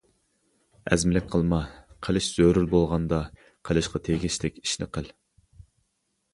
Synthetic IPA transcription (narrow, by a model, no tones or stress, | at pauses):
ɛ̰zmɪlɪkʲqʰəlˠmɑqʰəlˠɪʃz̥øɾyɾbolˠʁɑnd̪ɑ | qʰəlˠɨʃqʰɑt̪ʰeɡʲiʃlɪkʲi̥ʃnɪ̰qəl